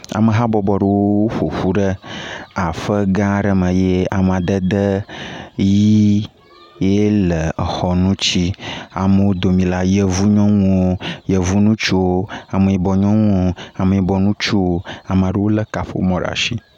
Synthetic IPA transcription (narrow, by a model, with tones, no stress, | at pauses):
a̰˨mə˨ɦa˦bɔ˨bɔ˨ɖə˨wo˦wo˦ɸo˨ɸu˦ɖə˦a˨ɸə˦ɡã˦ɖə˦mə̃˨je˦a˨m˨a˨d̪ə˦d̪ə˦ | ji˦ | je˦lə˨xɔ˨nũ˦t͡ɕi˦a̰˨mə˨wo˦d̪o˨mĩ˨la˦jə˨vu˦ɲɔ̃˦ŋũ˦wo˦jə˨vu˦nũ˦t͡ʃu˦o˦a˨mə˨ji˨bɔ˨ɲɔ̃˦ŋũ˦o˦a˨mə˨ji˨˦bɔ˨nũ˦t͡ʃu˦wo˦a˨m˨a˨ɖə˨wo˦lə˦ka˨ɸo̰˦mɔ̃˨ɖ̰a̰˨ʃi˦